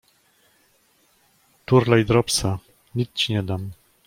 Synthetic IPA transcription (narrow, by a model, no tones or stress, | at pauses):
t̪uɾlajd̪ɾɔpsa | ɲʲit̪t͡ɕiɲɛd̪am